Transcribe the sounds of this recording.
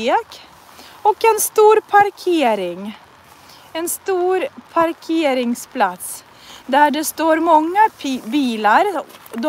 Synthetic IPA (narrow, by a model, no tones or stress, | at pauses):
k | ɔkenst̪uːɾpʰɑɾkʰeːɾɪŋ | eːnst̪uːɾpʰɑɾkʰeːɾɪŋspʰlɑt̪s | d̪æːɖest̪oːɾmɑŋːəbiːlɑɾd̪